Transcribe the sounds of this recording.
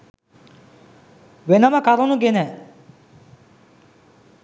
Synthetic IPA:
wenamakaɾɔ̃nũkenɛ

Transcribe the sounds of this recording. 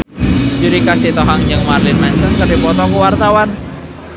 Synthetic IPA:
d͡ʒuɾikasit̪ɔɦaŋd͡ʒəŋmarlɪnmansəŋkərdipɔt̪ɔkəwart̪awan

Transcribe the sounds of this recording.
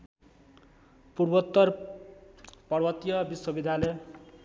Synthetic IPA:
purbʌt̪ːʌr | pʌrbʌt̪ijʌbiswʌbid̪ʱjalʌj

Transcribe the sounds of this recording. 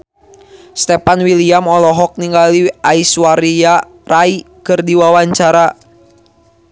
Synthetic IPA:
st̪ɛpanwiliamɔlɔɦɔk̚niŋɡaliaiswaɾia | rai | kɨrdiwawaɲt͡ʃaɾa

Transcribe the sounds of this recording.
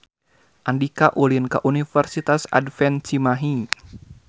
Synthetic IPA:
ʔandikaʔulinkaʔunifərsit̪asa̰dfɛnt͡ʃimaɦi

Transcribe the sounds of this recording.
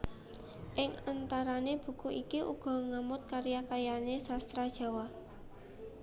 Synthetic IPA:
ʔɪŋant̪aɾaneb̥ṳkuʔikiʔṵɡ̥ɔ̤ŋamʊt̪̚kaɾjakajanesast̪ɾad̥ʒ̥a̤wa

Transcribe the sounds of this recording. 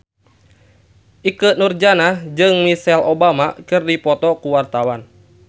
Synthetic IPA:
ʔikənurd͡ʒanahd͡ʒɨŋmisɛlobamakɨrdipɔt̪ɔkuwart̪awan

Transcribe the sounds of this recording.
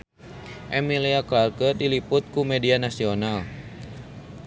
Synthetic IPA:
ʔɛmiliaklarkədilipʊt̪̚kumɛdianasional

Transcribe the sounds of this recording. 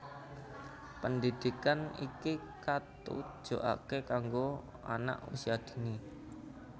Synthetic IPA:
pəndid̪̥i̤kanḭki | kat̪ṵd̥ʒ̥o̤ʔa̰kekaŋɡo | a̰na̰ʔṵsiad̪̥i̤ni

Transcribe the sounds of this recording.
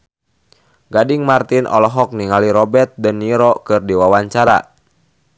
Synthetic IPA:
ɡadiŋmart̪inʔɔ̰lɔɦɔk̚niŋaliɾɔbɛrt̪̚dəniɾɔkɨrdiwawaɲt͡ʃaɾa̰

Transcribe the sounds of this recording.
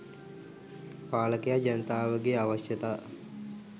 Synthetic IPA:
paːləkejad͡ʒɐnət̪aːʋəɡeaʋɐʃjət̪aː

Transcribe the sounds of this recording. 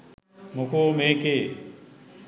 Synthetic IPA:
mʊkʰoːmeːkeː

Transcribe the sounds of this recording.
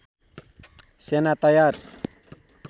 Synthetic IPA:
senat̪ajaɾ

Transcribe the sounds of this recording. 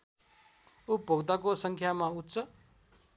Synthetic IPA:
upoɡd̪akosʌŋkʰjamaut̪t͡sʰʌ

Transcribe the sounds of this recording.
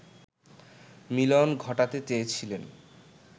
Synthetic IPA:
milonɡʱɔʈat̪et͡ɕeet͡ɕʰilen

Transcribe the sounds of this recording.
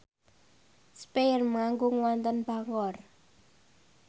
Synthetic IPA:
spermŋaŋɡʊŋwant̪ənb̥a̤ŋɔr

